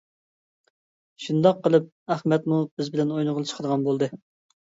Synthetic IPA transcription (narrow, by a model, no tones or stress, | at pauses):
ʃund̪ɑqːəlˠɨp̚æχmɛt̪̚mubɪzbɪlɛnojnəʁəlˠt͡ʃʰə̥qʰəd̪əʁɑnbolˠd̪ɨ